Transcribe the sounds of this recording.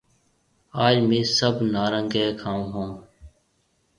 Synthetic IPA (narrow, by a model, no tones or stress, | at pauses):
aːd͡ʒmẽːsəbnaːɾəŋɡeːkʰãːɦõː